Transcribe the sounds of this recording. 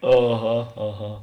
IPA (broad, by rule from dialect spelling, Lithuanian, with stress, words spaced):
ɐˈɣɐ ɐˈɣɐ